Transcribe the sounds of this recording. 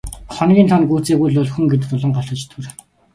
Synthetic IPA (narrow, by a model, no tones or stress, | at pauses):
χɔnɡʲiːnt̪ʰɔnɡuːt͡seːɣujɮʊɮxŭŋɡet̪̬ɘ̆t̪ʊɮɞ̆ɴɢɔɬt̪ɞ̆t͡ɕt̪ʰɵr